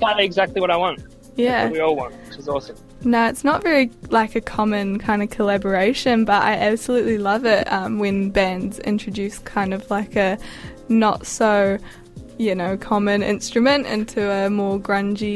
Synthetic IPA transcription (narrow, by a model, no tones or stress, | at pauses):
kʰãɪndɨɨɡzæk̚tˡliwʌɾaɪwɑ̃nt̚ | jæwiɔlˠwɑ̰̃nt̚wɪt͡ʃɨzɔsə̃m | naʊɨtsnətvɛɹilaɪkɨkʰɑmɨ̃nkʰãɪ̃ndɨv̥kʰəlæbə˞eɪʃɨ̃nbʌɾa̰ɪʔæb̥səlʉʔˡlilʌvɪtʌ̃mwɨ̃nbæ̃ndz̥ɪ̰̃nt͡ʃɹ̥ɨdʉˑskʰãɪ̃ndʌvlaɪkɨ | nə̰tsoʊ | jɨnoʊkʰɑmɨ̃nɪ̰̃nstɹ̥ɨmɨ̃ntɪ̰̃ntʰʉəmɔɹɡɹʌ̃nd͡ʒi